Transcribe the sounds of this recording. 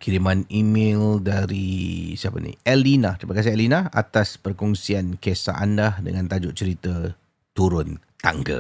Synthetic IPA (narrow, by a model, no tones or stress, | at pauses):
kʰiɾimanimɪ̃ldaɾisiapə̰nḭ̃ʔɛlinat̪ɾipakas̬iɛlinaa̰t̪aspərkɔŋsiankesa̰ʔandahdə̰ŋãnt̪ad͡ʒʊt̪̚t͡ʃəɾit̪ə | t̪uɾʊnt̪aŋɡə̰